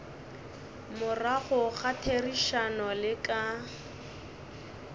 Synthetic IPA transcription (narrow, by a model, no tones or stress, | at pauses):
mʊraɣʊχatʰeriʃanɔlɪkʼa